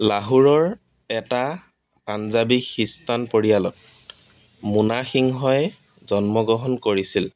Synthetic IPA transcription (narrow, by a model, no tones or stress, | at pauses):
laɦuɹɔɹ | ɛta | panzabixistanpoɹijalɔt̚ | munaxiŋɦɔjɛ | zɔnmɔɡɔɦɔnkoɹisil